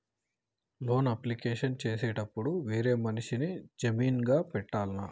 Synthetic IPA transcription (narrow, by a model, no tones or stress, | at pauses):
lo̞ːnɐplikeːʂɐnt͡ʃe̞ːseːʈɐpːuɽuʋe̞ːɾe̞ːmɐniʂinid͡ʒɐmiːnɡaːpɛʈːaːlɐna